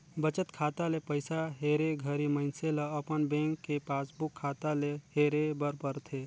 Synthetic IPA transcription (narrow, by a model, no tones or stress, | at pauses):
bət͡ʃət̪kʰaːt̪alepəɪsaɦeːɾeɡʱəɾimənseləəpənbẽːŋkːepaːsbukʰːaːt̪aleheɾebəɾpəɾt̪ʰe